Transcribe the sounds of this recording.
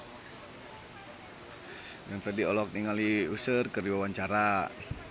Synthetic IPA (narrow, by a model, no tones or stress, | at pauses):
mɛnfɛdiɔlɔk̚niŋaliusərkəriwawaɲt͡ʃaɾa